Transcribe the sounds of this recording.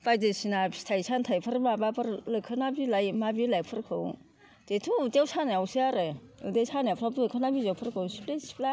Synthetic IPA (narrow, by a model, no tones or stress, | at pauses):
pajdesinapʰi̥stʰajsantʰajpʰɯɾmabapʰɯɾlɯkʰːɯnabilajmabilajpʰɯɾkʰɯw | d̥etʰutewsanaawsʰiaɾɯɯdesanapʰɾablɯkʰɯnabizawpʰɯɾkʰɯwsi̥plesi̥pla